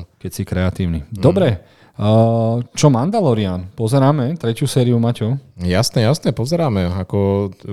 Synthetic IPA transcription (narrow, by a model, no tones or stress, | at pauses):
kɛcsikɾɛat̪iːʊnid̪ɔbɾɛ | t͡ʃɔmand̪alɔɾianpɔzɛɾaːmɛt̪ɾɛcusɛːɾiumaːcɔjasnɛjasnɛpɔzɛɾaːmɛakɔ